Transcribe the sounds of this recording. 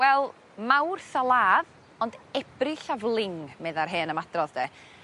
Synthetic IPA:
wɛlˠ | mawrsalˠaːð | ɔndɛb̥rɪɬavlˠɪŋmɛðarɦeːnəmadrɔðd̥ɛ

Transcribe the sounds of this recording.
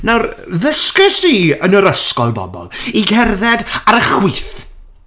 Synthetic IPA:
nawrðəskəsiənəɾəskɔlˠbɔ̰bɔ̰lˠiɡɛrðɛdaɾəχwiːθ

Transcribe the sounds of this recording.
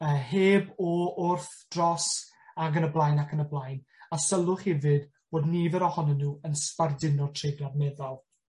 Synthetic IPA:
əːheːbɔʊrθd̥rɔs | aɡənəblˠajnakʰənəblˠajn | asəlˠʊχhɛvɨd | b̥oːdnivɛɾɔhɔnɔnːuːənspardɪnɔtʰr̥ejdradnɛðɔlˠ

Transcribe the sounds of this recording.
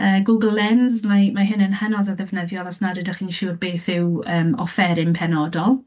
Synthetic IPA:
əːɡʊɡəlˠːɛnzmamaɦɪnənhənɔsaðɛvnəðjɔlˠasnadədaχiːnʃurbeːθɪwəːmɔfɛɾɪmpʰɛnɔdɔlˠ

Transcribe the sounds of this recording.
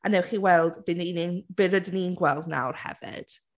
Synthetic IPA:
anɛwχiwɛlˠdbɪnininb̥ɪrədɪninɡwɛlˠdna̰wrhɛ̰vɪ̰d̥

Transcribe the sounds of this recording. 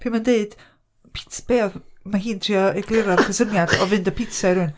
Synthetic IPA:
pʰiːmandeɨd̥ | pʰɪ̥tb̥eːɔðmaɦiːntʰriːɔɛɡlˠɪɾɔðkʰəsənjad̥ɔvɨndɔpʰɪtsaiɾʊn

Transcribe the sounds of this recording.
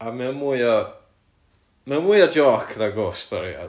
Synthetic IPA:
amɛmuɔ | mɛnmuɨɔd͡ʒɔːkʰðaɡoːstɔɾḭa̰

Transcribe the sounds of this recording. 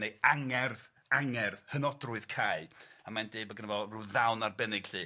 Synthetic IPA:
nejaŋɛrð | aŋɛrðhənɔdrʊɨð̥kʰaɨamandeːbɔɡənɛvɔruðawnarbɛnɪɡ̥ɬɨː

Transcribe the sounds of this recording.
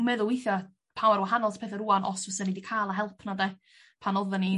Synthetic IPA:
mɛðʊlˠwejθjɔ | pʰawaɾwahanɔlˠtʰpʰeːθəɾuanʔɔsvəsənidikʰaːlˠaɦɛlˠpʰnadɛ | pʰanɔðəni

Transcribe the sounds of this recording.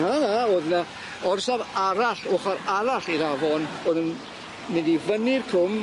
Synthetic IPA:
hanaoːðna | ɔrsavaɾaɬʊːχaɾaɾaɬiɾavɔnoːðən | mɪndivənɪrkʰʊm

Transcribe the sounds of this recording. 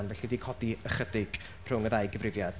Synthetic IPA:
nvɛɬidikʰɔdiəχədɪɡ̥ʰ | r̥ʊŋəðajɡəvrɪvjad̥

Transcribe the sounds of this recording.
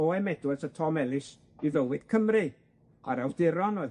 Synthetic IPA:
oɛmɛdwɛsətʰɔmɛlˠɪs | iðəwɪd̥kʰəmrɨ | aɾawd̥ɪɾɔnoɨ

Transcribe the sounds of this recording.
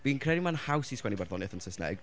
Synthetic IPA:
b̥iːnkʰrɛɾimanhawsiskwɛnibarðɔnɨθənsəsnɛ̰ɡ

